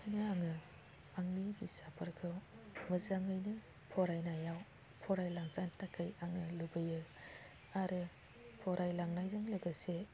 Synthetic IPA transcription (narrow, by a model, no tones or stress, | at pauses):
anɯaŋɯ | aŋnibisapʰɯɾkʰɯwmɯzaŋɯjnɯ | pʰɔɾajnajaw | pʰɔɾajlaŋtantakʰɯjaŋɯlɯbɯjɯ | aɾɯ | pʰɔɾʔajlaŋnajzɯŋlɯɡɯse